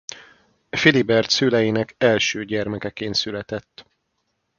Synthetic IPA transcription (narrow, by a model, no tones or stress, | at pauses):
filibɛrt̪sylɛjinɛkɛlʃøːɟɛrmɛkɛkeːnsylɛt̪ɛt̪ː